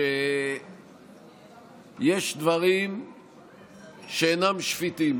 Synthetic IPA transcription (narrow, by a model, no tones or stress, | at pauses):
e | jeʃd̪vaʁim | ʃeenamʃfit̪im